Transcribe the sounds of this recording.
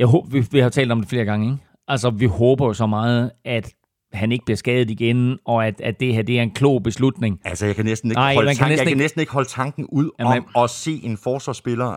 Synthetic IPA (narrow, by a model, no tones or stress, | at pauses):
jɑɪɦoːʋiʋihɑjot͡sʰɛ̰ːld̥ɒ̽md̥efle̝ːɐɡ̥ɑ̈ŋəe | ʔælsəʋihɔ̽ːb̥ɐjo̝sɒ̽mɑ̈ːð̞̩ˠæd̥ | hæne̝ɡ̥əb̥liɐsɡ̥ɛːð̞̩ˠiɡ̥enɒ̽æd̥æd̥ːe̝hæɐd̥e̝æɐe̝nkʰlo̰ʊ̰b̥e̝slud̥ne̝ŋælsəjakʰænesd̥n̩e̝nɪ̰mænkæneaɪknnesd̥n̩e̝ɡ̥hɒ̽lət͡sʰɑ̈ŋɡ̥n̩uð̞̰ˠɒ̽se̝̰ːenfɒːsʋɑ̈sb̥e̝lɐ